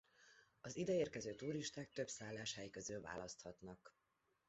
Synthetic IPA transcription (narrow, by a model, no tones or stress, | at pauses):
ɒzid̪ɛeːrkɛzøːt̪uːɾiʃt̪aːk̚t̪ø̞bsaːlːaːʃhajikø̞zyːlva̰ːlɒst̪hɒt̪nɒk